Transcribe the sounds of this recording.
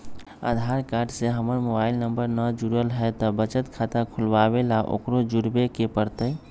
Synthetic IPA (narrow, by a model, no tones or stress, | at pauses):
a̰d̪ʱaɾkaɾɖseɦəməɾmobailnəmbəɾnəd͡ʒuɾəlɦɛt̪ɔbət͡ʃət̪kʰat̪əkʰulbabelaʔo̰kɾod͡ʒuɾbekepəɾt̪əj